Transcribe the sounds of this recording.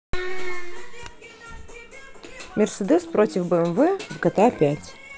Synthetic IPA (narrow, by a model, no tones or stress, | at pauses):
mʲɪrsəd̪ɛspɾotʲɪfbəɛmvɛvɡɐt̪apʲætʲ